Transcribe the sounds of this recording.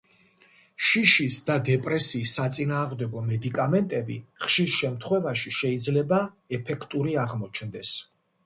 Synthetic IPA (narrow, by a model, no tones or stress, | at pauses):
ʃiʃisd̪ad̪ɛpʼɾɛsiːsːat̪sʼinaːʁmd̪ɛɡɔmɛd̪ikʼamɛnt̪ʼɛbḭχʃiɾʃɛmt̪ʰχwɛvaʃiʃɛid̪zlɛba | ɛpʰɛkʰt̪ʼuɾiaʁmɔt͡ʃʰnd̪ɛs